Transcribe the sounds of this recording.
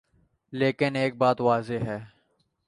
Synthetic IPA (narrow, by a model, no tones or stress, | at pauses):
leːkɪneːk̚baːt̪ʋaːzeɦɛː